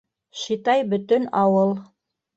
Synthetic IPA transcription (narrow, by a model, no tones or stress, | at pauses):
ʃit̪ɑjbɵ̆t̪ɵnɑwɤlˠ